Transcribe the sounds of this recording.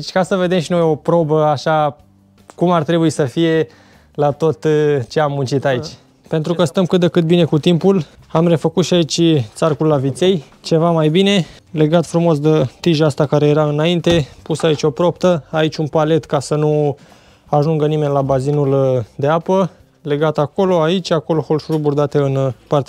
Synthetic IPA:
t͡ʃʲkasəve̞d̪e̞mʃinumjeo̞pɾo̞bəaʃa | kumart̪ɾe̞buisəfije̞ | lat̪o̞t̪t͡ʃe̞amːunt͡ʃit̪ait͡ʃʲ | pe̞nt̪ɾukəst̪əmkɨt̪̚d̪ekɨt̪̚bine̞kut̪impul | amre̞fəkut̪ʃiait͡ʃʲt̪sarkulːavit̪se̞j | t͡ʃe̞vamajbine̞ | le̞ɡat̪fɾumo̞s̬d̪et̪iʒast̪akaɾe̞jeɾaɨnaint̪e̞pusait͡ʃʲo̞pɾo̞pt̪əait͡ʃʲunpale̞t̪kasənu | aʒuŋɡənime̞nʲlabazinuld̪eapə | le̞ɡat̪ako̞lo̞ait͡ʃʲako̞loxo̞lʃuɾburd̪at̪eɨnpart̪

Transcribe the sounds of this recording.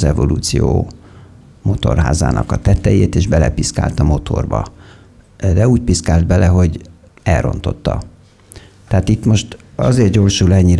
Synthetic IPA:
zɛvo̞luːt̪sijoː | mo̞t̪o̞rɦa̰ːza̰ːnʔɒkɒt̪ɛt̪ːɛjeːt̪eːʒbɛlɛpiska̰ːlt̪ɒmo̞t̪ʰo̞̰rbɒ | d̪ɛuːc̚piskaːld̪̚bɛlɛɦo̞ɟ | ɛlro̞̰nt̪o̞t̪ːɒ | t̪ɛɦaːt̪it̪mo̞ʃt̪ɒ̰zeːrt̪̚ɟo̞ːrʃulɛɲːiɾ

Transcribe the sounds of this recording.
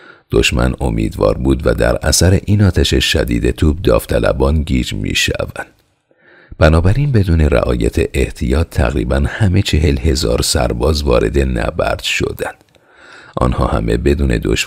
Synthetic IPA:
d̪̥o̞ʃmæno̞mḭːd̪vɒ̰ːɾbuːd̪væd̪æɾæsæɾe̞ʔiːnɒːt̪ʰæʃeʃæd̪iːd̪e̞t̪ʰuːb̚d̪ɒːft̪ʰælæbɒːnɡiːd͡ʒmḭːʃævænd̪̥ | b̥ænɒːbæɾiːnbe̞d̪uːne̞ɾæ̰ʔɒːjæt̪ʰeʔeht̪ʰijɒːt̪ʰːæɣɾiːbænhæme̞t͡ʃʰe̞ɦe̞lhe̞zɒːɾsæɾbɒːzvɒːɾʔe̞d̪e̞næbæɾd̪̥ʃo̞̰d̪̥ænd̪̥ | ʔɒ̰nhɒ̰ːhæ̰me̞̰be̞d̪uːne̞̰d̪o̰ʃ

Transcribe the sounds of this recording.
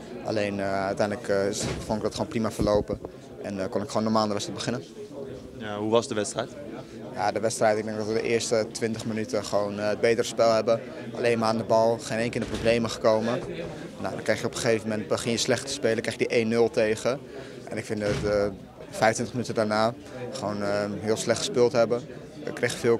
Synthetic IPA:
ʔa̰lejnœɥtɛjndləkɪsfonɪɡdɔtχoːnprimafəɹlowpə | ʔɛnkɔnɪkχoːnːɔɹmaːlˠndəʋɛstɛj̚bəχɪnən | ɦuʋɑsdəʋɛtstrɛjt | ja̰dəʋɛtstrɛjtɪɡ̚dɛŋɡdɔtʋədəʔɪːɹstətʋɪntəχmənytəχəʋownəd̚bejtərəspɛlˠɦɛbə | ʔa̰lejnmaːandəbɑlˠχenejŋkɪːɪdəprowblejməχə̥kowmə | na̰wdɔnkrɛjχjəɔpəχejvəmɛndbəχɪnjəslɛχtə̥speːləkrɛx̚dəʔeːnːɵlˠtejχə | ʔɛ̰nɪkfɪndtə | fɛjftʋɪntəχmənytədaɹnaː | χəʋownəɦɪːlˠslɛxtχəspɪːlˠtɦɛbə | ɪ̰kːrejxfɪːlˠ

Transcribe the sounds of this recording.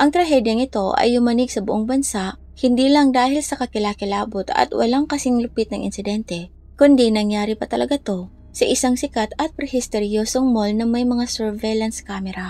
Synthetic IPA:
ʔɐŋt̪ɾɐɦɛd̪jɐŋɪt̪o̞ʔɐ̰jːʊmɐnɪɡsɐbʊʔoŋbɐnsaʔ | hɪnd̪iːlɐŋd̪aːhɪlsɐkɐkɪlaːkɪlaːbʊt̪ɐ̰t̪wʔɐ̰laŋkɐsɪŋlʊpɪt̪̚nɐŋʔɪ̰nsɪd̪ɛnt̪ɛ | kʊnd̪inɐŋjaːɾipɐt̪ɐlɐɡat̪o̞ | sɐʔɪsaŋsɪkat̪ɐt̪̚pɾɛhɪst̪ɛɾjoːsoŋmolnɐmɐjmɐŋasɛɹvɛjlɐnskaːmɛɾa

